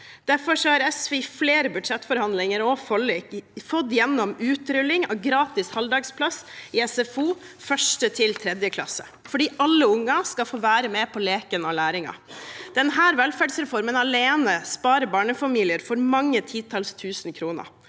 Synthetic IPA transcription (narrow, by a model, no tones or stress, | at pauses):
d̪̥æɾfɔʂɔhɑɾɛsʋɛfleːɾəbʉd̪ʂɛt̪ːfɔɾhɑnd̪lɪŋəɾɔfɔlɪfɔd̪jɛnːɔmʉːt̪ɾʏlːɪŋɑɡɾɑːt̪ɪshɑld̪ɑːɡspʰlɑsɪɛsɛfuːfœʂʈət̪ʰɪlt̪ʰɾɛd̪jəkʰlɑ̰sːə̥̰ | fɔɖiːʔɑlːəʊŋːɑskɑfoːʋæːɾəmɛpʰɔleːkənɑlæːɾɪŋɑ̰d̪̥ɛnɦæːɾʋɛlfæːɖsɾɛfɔɾmənɑleːnəspɑːɾəbɑːɳəfɑmiːlɪəɾfɔɾmɑŋːət̪ʰiːt̪ʰɑlst̪ʰʉːsnkʰɾuːnə̰